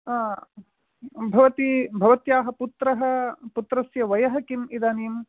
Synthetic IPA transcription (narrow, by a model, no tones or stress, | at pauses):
bʱɐʋɐt̪ibʱɐʋɐt̪jaːɦɐput̪ɾɐɦɐ̆put̪ɾɐsjɐʋɐjɐɦɐkimid̪aːnim